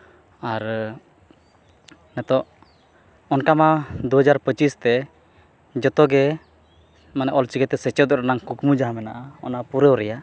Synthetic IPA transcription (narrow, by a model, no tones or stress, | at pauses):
aɾ | nɛt̪ɔʔ | ɔnkamad̪uɦəd͡ʒaɾpət͡ʃist̪ɛ | d͡ʒɔt̪ɔɡɛ | manɛʔɔlt͡ʃiɡɛt̪ɛsət͡ʃɛd̪ɔɾanaŋkukmud͡ʒaɦamɛnaʔaɔ̰napuɾəwɾɛja